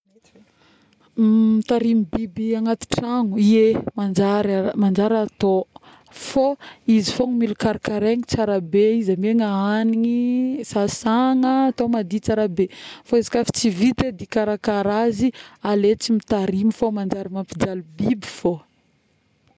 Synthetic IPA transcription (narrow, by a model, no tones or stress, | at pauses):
mit̪aɾimibibiaŋat̪i̥ʈ͡ʂaŋuiemand͡ʒaɾamand͡ʒaɾat̪o | foizifoŋimilukaɾakaɾeŋit͡saɾabeizameŋaaniŋisasaŋəːt̪omad̪it͡saɾabefoezḁkafi̥t͡sivit̪ed̪ikaɾakaɾazialet͡simit̪aɾimifomand͡ʒaɾimampid͡ʒalubibifo